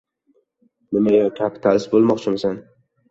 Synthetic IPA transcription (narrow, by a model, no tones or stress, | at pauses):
nɪmajɒkʲʰapʰɪ̥t̪ʰalɪsbolˠmɒqt͡ʃʰɪmsan